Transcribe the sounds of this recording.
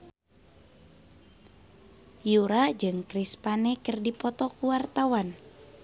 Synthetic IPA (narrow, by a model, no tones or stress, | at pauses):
juɾad͡ʒɨŋkɾispanɛkɨrdipɔt̪ɔkuwart̪awan